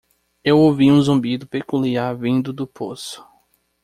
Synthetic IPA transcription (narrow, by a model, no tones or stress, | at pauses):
ewowviũzõmbid̪ʊpekuliaɾvĩnd̪ʊd̪ʊpʰosʊ̥